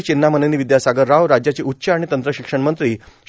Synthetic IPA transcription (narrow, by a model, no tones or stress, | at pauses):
t͡ɕinːamənəniːʋid̪jasaɡəɾːaʋɾad͡ʑjat͡ɕiutːɕəaɽit̪ənt̪ɾəɕikʂəɳmənt̪ɾiː